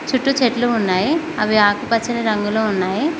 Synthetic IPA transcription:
t͡ʃuʈːut͡ʃeʈluːnːaːji | ɐʋiaːkupɐt͡ʃːinɐɾɐŋɡuloːunːaːji

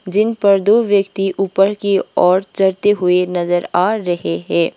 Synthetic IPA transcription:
d͡ʒɪnpɐɾd̪oːʋjəkt̪iʔuːpəɾkiɔːɾt͡ʃɐɽt̪eɦʊenɐzəɾaːɾɐɦeɦɛ̃ː

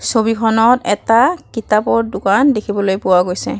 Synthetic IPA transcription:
sobikʰɔnɔtɛ̰takitapɔɹdʊkandekʰibɔlojpʊwaɡojsɛ

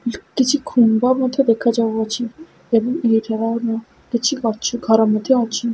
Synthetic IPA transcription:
kit͡ɕʰikʰumbamɔt̪ʰed̪ekʰad͡ʑaboat͡ɕʰi | ebɔŋejʈʰaɾanɔ | kit͡ɕʰikɔt͡ʃʰuɡʱaɾamɔd̪ʱeɔt͡ɕʰi

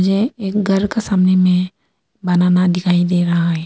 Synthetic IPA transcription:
d͡ʒeeːkɡʱɐɾkesaːmnemẽ | bɐnaːnad̪ɪkʰaːid̪eːɾɐɦaɦɛː

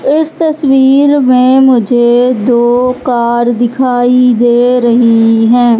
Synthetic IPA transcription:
ɪst̪əswiːɾmẽːmʊd͡ʒʱed̪oːkaːɾd̪ɪkʰaːid̪eːɾəɦiɦɛ̃ː

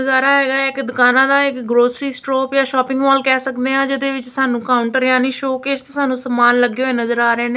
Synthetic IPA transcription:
əzaːɾaːɦɛːɡaːɛɪkd̪ʊkaːnãːd̪aːɪkɡɾoːsɾiːsʈɾoːpjaːʃɔːpɪ̃ŋɡʋaːlkɛːsəkd̪eːãːd͡ʒɪd̪eːʋɪt͡ʃsaːnũːkaːʊɳʈəɾjaːniːʃoːkeːd͡ʒt̪õːsaːnũːsəmaːnləɡeːɦoːeːnəzəɾaːɾɛ̃ːneː

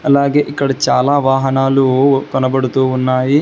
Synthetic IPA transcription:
ɐlːaːɡeːʔikːɐɽɐt͡ʃaːlaːʋaːɦɐnaːlukɔnɐbɐɽut̪uunːaːji

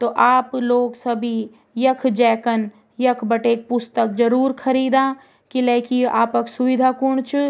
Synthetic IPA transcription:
t̪oːʔaːploːɡsɐbʱi | jɐkʰd͡ʒɛːkən | jɐkʰbɐʈeːk̚pʊst̪ək̚d͡ʒɐɾuːɾkʰɐɾiːd̪ãː | kileːkia̰ːpɐksuʋɪd̪ʱaːkʊɳ̃t͡ʃʰ

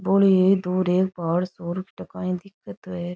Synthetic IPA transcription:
boːlied̪uːɾeːk̚paːɽsoːɾkʈəkaːĩːd̪ɪkːət̪ʋeːɾ

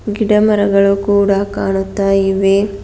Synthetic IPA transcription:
ɡiɽɐmɐɾɐɡɐɭukuːɽakaːɳut̪ːaːjiʋe

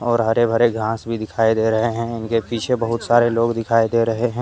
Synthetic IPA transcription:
ɔːɾɦɐɾebʱɐɾeɡʱãːsbʱid̪ɪkʰaːid̪eɾɐɦeɦɛ̃ɪnkepiːt͡ʃʰebɐɦʊt̪saːɾeloːɡd̪ɪkʰaːid̪eːɾɐɦeɦɛ̃ː

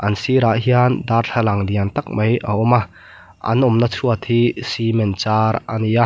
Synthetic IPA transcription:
ʔɐnsiɾaʔɦiand̪aːrɬʰɐlɐŋd̪iant̪ɐk̚mɐjʔɐ̰ɔma | ʔɐ̰nʔɔmnɐt͡sʰuɐt̪ʰhisimɛnt͡saːɾanija

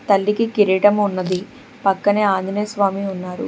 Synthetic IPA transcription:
t̪ɐlːikikiɾiʈɐmunːɐd̪i | pɐkːɐneːaːnd̪ʱneːsʋaːmiunːaːɾṵ

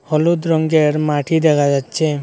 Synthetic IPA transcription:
hɔlud̪ɾɔŋɡeɾmaʈʰid̪ɛkʰad͡ʒatːt͡ʃʰe

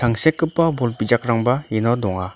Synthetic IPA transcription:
tʰaŋsekːɯpːabɔlbid͡ʒak̚ɾaŋbainɔdɔŋa

